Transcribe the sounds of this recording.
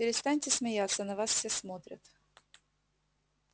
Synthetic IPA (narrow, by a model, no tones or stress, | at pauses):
pʲɪɾʲɪst̪anʲtʲɪsmʲɪjat̪sːənɐvasfsʲesmot̪ɾʲə̰t̪